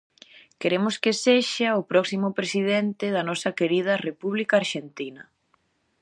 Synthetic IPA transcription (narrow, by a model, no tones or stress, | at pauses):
keɾemʊskeseʃɐʊpɾɔksimʊpɾesið̞ent̪ɪðɐnɔsɐkeɾið̞ɐrepuβlikaːɾʃent̪inɐ